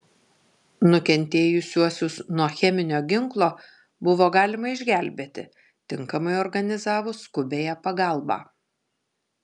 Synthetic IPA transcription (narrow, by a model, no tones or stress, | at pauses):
nʊkʲɛnʲt̪ʲeːjʊsʲuɔsʲʊsnuɔxʲɛmʲɪnʲoːɡʲɪŋklˠoː | bʊʋoːɡɑːlʲɪmɐɪʒʲɡʲæˑlʲbʲeːt̪ʲɪ̰ | t̪ʲɪŋkɐmɐɪɔɾɡɐnʲɪzɑːʋʊskʊbʲeːjæpɐɡɑˑlˠbɑ̰ː